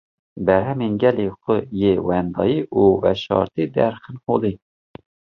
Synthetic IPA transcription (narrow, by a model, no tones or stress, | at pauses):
bɛɾɦɛminɡɛliːxʷəjewɛnd̪ɑ̰ːjiːʔuːvɛʃɑ̰ːɾt̪iːd̪ɛ̰ɾxɨnholi